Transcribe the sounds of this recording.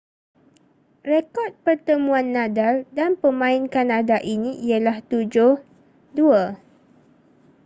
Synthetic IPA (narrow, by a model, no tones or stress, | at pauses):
rekɔt̪̚pərt̪əmũãnːãdaldanpəmãinkanadaʔinĩʔiəlaht̪ud͡ʒʊh | dua